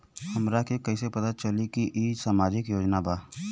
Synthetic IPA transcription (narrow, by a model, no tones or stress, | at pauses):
həmɾakekɐisepɐt̪at͡ʃəlikiʔisaːmaːd͡ʒɪkjoːd͡ʒnabaː